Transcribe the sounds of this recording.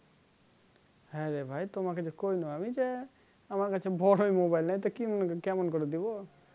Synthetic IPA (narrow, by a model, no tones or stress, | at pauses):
ɦeɾebʱajt̪omaked͡ʒekoinɔamid͡ʒe | amaɾkat͡ʃʰebʱɔɽoimobajlnajt̪ɔkimɔnkekɛmɔnkɔɾɔd̪ibɔ